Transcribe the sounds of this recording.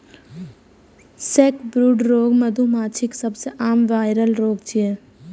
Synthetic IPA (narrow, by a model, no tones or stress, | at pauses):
seːkbɾuːɖɾoːɡmɐd̪ʱumaːt͡ʃʰɪksɐbseʔaːmʋaːɪɾəlɾoːɡt͡ʃiɛː